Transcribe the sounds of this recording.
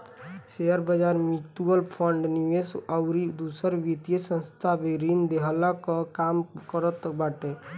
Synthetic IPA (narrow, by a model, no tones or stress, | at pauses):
ʃeəɾbəd͡ʒaɾmit̪uəlpʰəɳɖniʋesɔʊɾid̪usəɾʋit̪ijesə̃nst̪ʰabeɾind̪eɦəlakəkamkəɾət̪baʈe